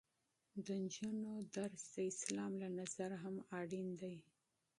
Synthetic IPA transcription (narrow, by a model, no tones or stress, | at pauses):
d̪ənd͡ʒunod̪aɾsd̪əɪslɑmlanazaɾaɦamɑɽind̪aj